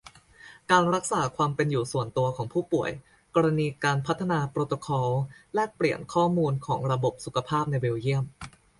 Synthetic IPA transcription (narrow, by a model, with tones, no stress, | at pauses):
kaː˧nɾa˦˥k̚saː˩˦kʰwaː˧mpe˧njuː˨˩su˨˩ənt̪u˧ɐkʰɔː˩˦ŋpʰuː˥˩pu˨˩əj | kɔː˧ɾa˧niː˧kaː˧npʰa˦˥t̪ʰːa˧naː˧pɾoː˧t̪o˧kʰɔː˧wlɛː˦˥pli˨˩ənkʰɔː˥˩muː˧nkʰɔː˩˦ŋɾa˧bo˨˩p̚su˨˩kʰa˧pʰaː˥˩p̚na˧jwi˧wji˥˩əm